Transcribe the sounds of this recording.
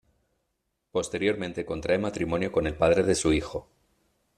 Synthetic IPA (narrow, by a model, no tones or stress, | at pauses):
po̞st̪e̞ɾjo̞ɾmẽ̞nt̪e̞ko̞nt̪ɾaemat̪ɾimo̞njoko̞ne̞lpað̞ɾe̞ðe̞suixo̞